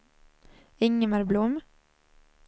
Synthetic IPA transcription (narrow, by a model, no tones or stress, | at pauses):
ɪŋːəmæɾblʊm